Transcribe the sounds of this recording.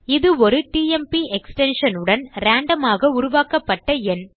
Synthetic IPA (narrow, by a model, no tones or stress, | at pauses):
ɪðɯɔɾɯʈiːɛmpiʔɛksʈɛnʂɐnɯɽɐnɾaːɳɖɐmaːɣɐʊɾʊʋaːkɐpːɐʈːɐɛn